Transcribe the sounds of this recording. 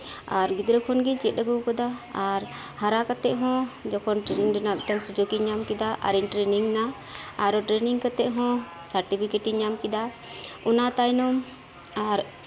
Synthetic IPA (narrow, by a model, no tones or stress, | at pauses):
aɾɡid̪ɾɔkʰɔnɡiɲt͡ʃɛt̪̚ˀɗəɡukɔd̪aːɾ | haɾakat̪ɛʔɦɔ̃d͡ʒɔkʰɔnʈɾɛniŋɖɛnapʈaŋsud͡ʒokiɲamkɛd̪aʔa̰ɾiɲʈɾeniŋnaː | ɾɔʈɾɛniŋkat̪ːɛʔɦɔ̃ | saɾʈipʰikeʈiɲamkid̪a | unat̪ajnɔm | aɾ